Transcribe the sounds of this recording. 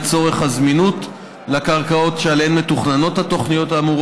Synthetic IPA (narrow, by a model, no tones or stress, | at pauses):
t͡so̞ʁe̞χhazminut | lakaʁkao̞tʃealhenmetuχnano̞thato̞χnijo̞taːmuʁ